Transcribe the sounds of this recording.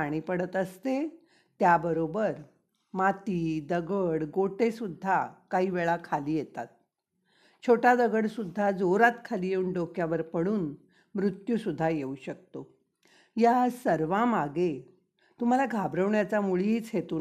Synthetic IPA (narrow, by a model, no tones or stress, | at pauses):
aɽ̃iːpəɽət̪əst̪e | t̪jabəɾobəɾ | mat̪iːd̪əɡəɽɡoʈesud̪ʱːakaɦiːʋeɭakʰaliːjet̪a̰t̪̚ | t͡ɕʰoʈad̪əɡəɽsud̪ʱːad͡zoɾat̪kʰaliːjeuɳɖokjaʋəɾpəɽuːn | mɾut̪jusud̪ʱːajeuɕək̚t̪o | jasəɾʋãmaɡe | t̪um̤alaɡʱabɾəʋɳjat͡samuɭiiːt͡sɦet̪uː